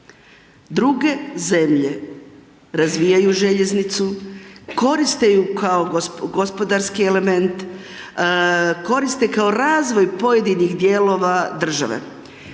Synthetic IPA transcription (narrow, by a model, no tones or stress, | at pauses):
d̪ɾuɡe̞ze̞mʎe̞ | ɾazʋijajuʒe̞ʎe̞znit̪suko̞ɾist̪ejukaoɡo̞spo̞d̪aɾskie̞le̞me̞nt̪ | ko̞ɾist̪ekao̞ɾaːzʋo̞jpo̞je̞d̪inixd̪je̞lˠo̞ːʋad̪r̩ʒa̰ʋḛ